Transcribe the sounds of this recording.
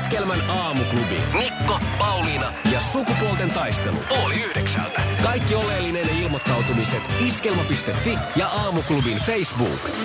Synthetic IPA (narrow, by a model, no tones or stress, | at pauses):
skelmænɑːmuklubḭnlikːopɑwlinɑjɑsukupolt̪e̞nt̪ɑjst̪e̞̰lṵoliyhdeksæ̰lt̪ækɑjkːio̞lelːine̞nilmo̞t̪ːɑwt̪umise̞t̪iske̞lmɑpist̪e̞fːijɑʔɑːmuklubinfejsbṵːk